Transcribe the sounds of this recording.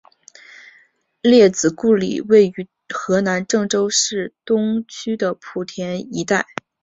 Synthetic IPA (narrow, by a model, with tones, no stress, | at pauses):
ljɛ˥˩t͡sɹ̩˨˩ku˥˩lḭ˨˩we˥˩ɪy˧˥ | xɤ˧˥na˧˥nʈ͡ʂɤ˥˧ŋʈ͡ʂo˥ʊʂɻ̩˥˩t̪ʊ˥ŋt͡ɕʰy˥d̪ə˨pʰu˨˩t̪ʰjɛ˧˥ni˧˥t̪a˥˩ɪ